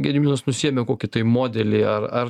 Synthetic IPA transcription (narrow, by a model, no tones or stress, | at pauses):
ɡʲɛd̪ʲmʲiːnɐsnʊsʲiɛmʲɛkoːkʲɪt̪ɐɪmoːd̪ʲɛlʲɪɐɾɐr